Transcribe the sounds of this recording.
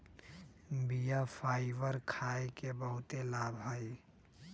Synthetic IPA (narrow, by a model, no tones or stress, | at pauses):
bijapʰaːɪʋəɾkʰaːekebəɦʊt̪elaːbʱɦəj